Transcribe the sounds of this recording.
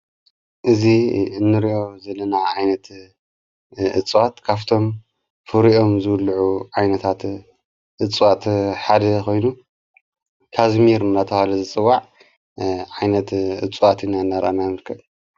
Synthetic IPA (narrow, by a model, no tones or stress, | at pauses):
ʔɨziɨnːɨɾiʔo̞zɐlːɐnaʕajnɐt̪ | ʔɨt͡sʼwat̪kʰaβt̪ʰo̞m | fɨɾiʔo̞mzɨwlʕuʕajnɐt̪ʰat̪ | ʔɨt͡sʼwat̪ħad̪ɐkʰo̞jnu | kʰazmiɾmɨnat̪ʰɐhalɐzɨt͡sʼɨwːaʕ | ʕajnɐt̪ʔɨ̰t͡sʼwat̪ɨnanːaɾʔa̰najmɨɾkʰɐβ